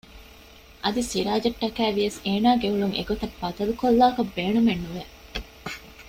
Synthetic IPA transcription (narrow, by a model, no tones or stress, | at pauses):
ʔɐd̪isiɾaːd͡ʒɐʈ̪ːɐkæːʋijɐseːnaːɡeuɭuŋʔḛɡot̪ɐbːɐd̪ɐlukolːaːkɐbːeːnumenːuʋe